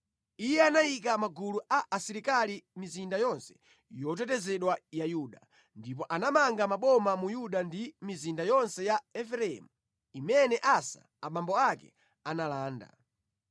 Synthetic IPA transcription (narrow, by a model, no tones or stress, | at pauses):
ijɛanajikamaɡuluʔaʔasiɾikalimizindajɔnsɛ̥ | jɔt̬ɛtɛzɛɗwajajuɗa | ndip̬ɔʔanamaŋɡamaɓɔmamujuɗandimizindajɔnsɛjaɛfɾɛɛ̰mu | imɛnɛʔasa̰ | amambɔakɛ̰ | analaːnda̰